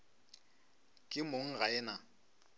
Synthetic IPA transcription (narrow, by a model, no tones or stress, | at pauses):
kʼɪmoŋ̩ɣaɛːna